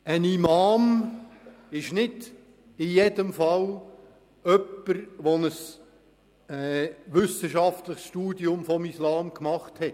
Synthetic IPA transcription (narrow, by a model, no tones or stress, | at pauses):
ənimɑːm | ɪʃnɪd | ɪjedəmfɑl | œpːəɾʋɔnəs | ɛʋʏsəʃɑftləχsʃtuːdiʊmfɔmislɑːmkmɑχthɛt